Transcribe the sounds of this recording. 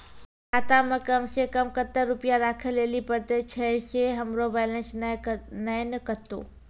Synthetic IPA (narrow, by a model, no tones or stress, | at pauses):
kaːt̪amə̃kɐmsekɐmkət̪ːəɾʊpjaɾaːkʰəlːeːlipəɾt̪et͡ʃʰɛseɦɐmɾobɛːlənsnəjnəkət̪o̰ː